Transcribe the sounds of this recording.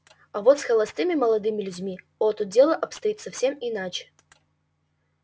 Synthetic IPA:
ɐvot̪sxəlˠɐst̪ɨmʲɪməlˠɐd̪ɨmʲɪlʲʉdʲmʲi | ɔt̪ʊdʲe̞lˠəʔɐpst̪ɐit̪sɐfsʲe̞mɪnat͡ɕɪ̥

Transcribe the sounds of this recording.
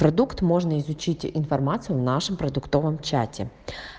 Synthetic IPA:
pɾɔd̪ukt̪mɔʒnɐizʊt͡ʃɪtʲɪʔinfɔrmɑt͡sʲijʊwnɑʃɪmpɾɔd̪ʊkt̪ɔʋɔmt͡ʃɑ̰tʲḭ

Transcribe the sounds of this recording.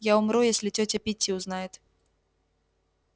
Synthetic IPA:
jaumɾujasʲlʲit͡sʲɔt͡sʲɐpʲit͡sʲːiwznajɛt̪

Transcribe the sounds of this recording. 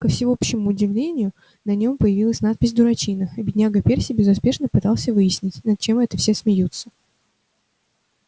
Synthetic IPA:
kəfsʲɪo̞pɕːɪmʊːdʲɪvlʲenʲɪjʊ | nɐnʲo̞mpəjɪvʲilˠəsʲnat̪̚pʲɪzʲd̪ʊɾɐt͡ɕinəɐbʲɪdʲnʲaɡəpʲe̞rsʲɪibʲɪzʊspʲe̞ʂnəpɨt̪ɑlˠsʲəvɨjɪsʲnʲɪtʲnɐt̪̚t͡ɕe̞mɛt̪əfsʲe̞smʲɪjut̪sə

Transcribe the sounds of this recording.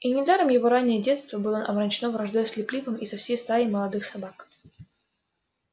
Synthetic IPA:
inʲɪd̪aɾəmjɪvoɾanʲːɪjədʲe̞t̪st̪vəbɨlˠənʔɐ̰bɾɐnʲt͡ɕɪnovɾɐʐd̪ajsʲlʲɪplʲikəmisɐfsʲejst̪aɾɪməlˠɐd̪ɨxsɐbak

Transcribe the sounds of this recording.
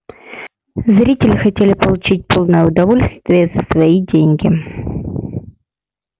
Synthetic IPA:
zɾʲitʲɪlʲɪxɐtʲelʲɪpəlˠʊt͡ɕit̚ʲpolˠnəjəʊd̪ɐvo̞lʲst̪vʲɪjəzəsvɐidʲenʲɡʲɪ

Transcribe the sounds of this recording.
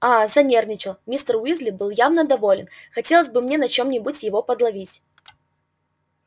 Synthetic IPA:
azɐnʲernʲɪt͡ɕɪlˠmʲist̪ərwʲizlʲɪbɨlˠjavnəd̪ɐvolʲɪnxɐtʲe̞lˠəsʲbɨmnʲenɐt͡ɕo̞mnʲɪbʊtʲjɪvo̞pəd̪lˠɐvʲitʲ

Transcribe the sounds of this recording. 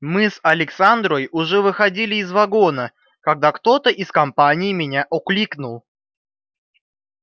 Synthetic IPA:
mɨsɐlʲɪksand̪ɾojʊʐɛvɨxɐdʲilʲɪːzvɐɡo̞nə | kɐɡ̚d̪akt̪o̞t̪əʔɪskɐmpanʲɪjmʲɪnʲaʔʊklʲiknʊlˠ

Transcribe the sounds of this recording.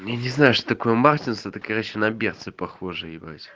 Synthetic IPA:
janʲɪznajʊʂt̪o̥t̪ɐkojəmartʲinst̪ət̪əkɨrʲaɕɪnɐbʲert̪sɨpɐxoʐɨjɪbɾa̰tʲ

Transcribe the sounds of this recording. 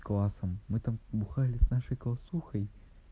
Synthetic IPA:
klˠasɐmːɨt̪ambuxalʲɪsnaʂɐjklˠɐsuxɐj

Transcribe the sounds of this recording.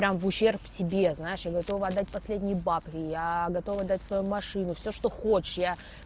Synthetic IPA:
ɾʲamvʊɕːe̞rpfsʲɪbʲe̞znajɪʂjaɡɐt̪o̞vɐd̪ːatʲpɐsʲlʲedʲnʲɪjbapʲɪjaɡɐt̪o̞vəɐd̪ːatʲsvɐjumɐʂɨnʊfsʲoʂt̪o̞xot͡ɕɪ̥ʂja

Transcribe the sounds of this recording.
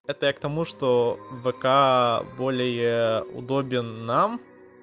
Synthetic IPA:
ɛt̪əjak̚t̪ɐmuʂt̪ovɛkabolʲɪjəʊ̰d̪obʲɪnːam

